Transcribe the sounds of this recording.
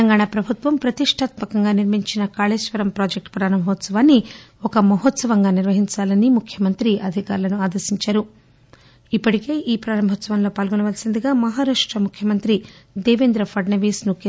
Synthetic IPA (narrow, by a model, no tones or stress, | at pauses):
ɐŋɡaːɳapɾɐbʱut̪ʋɐmpɾɐt̪iʂʈʰaːt̪mɐkɐŋɡaːniɾmiɲt͡ʃinɐkaːleːʃʋɐɾɐmpɾaːd͡ʒek̚ʈpɾaːɾɐmbʱɔt̪sɐʋaːnːi | ɔkɐmɐɦɔt̪sɐʋɐŋɡaːniɾʋɐɦiɲt͡ʃaːlɐnimukʰjɐmɐnt̪ɾiʔɐd̪ʱika̰ːɾlɐnuaːd̪ɐɾsiɲt͡ʃaːɾu | ipːɐʈike̞ːʔiːpɾaːɾɐmbʱɔt̪sɐʋɐnlo̞ːpaːlɡoniʋɐlsind̪iɡaːmɐɦaːɾaːʂʈɾɐmukʰjɐmɐnt̪ɾid̪eːʋeːnd̪ɾɐfʰɐɖnɐʋiːsnuke